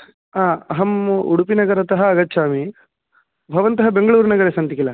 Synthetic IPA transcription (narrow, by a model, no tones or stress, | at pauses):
aːɐɦɐmuɽupinɐɡɐɾɐt̪ɐɦɐːɡɐt̪ːʃʰaːmi | bʱɐʋɐnt̪ɐɦɐbeŋɡɐɭuːɾɐnɐɡɐɾesɐnt̪ikilɐ